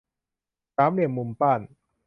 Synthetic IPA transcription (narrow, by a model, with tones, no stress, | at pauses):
saː˦˥mli˧˩əmːu˧mpaː˥˩n